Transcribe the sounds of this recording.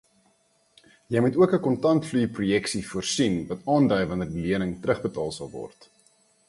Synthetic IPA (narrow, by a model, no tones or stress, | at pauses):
jəjmutuəkəkɔntɐntflyprujɛksifuərsinvɐtɑːndœɥvɐnərdiliənəŋtrəχbətɑːlˠsɐ̰lˠvɔ̰rt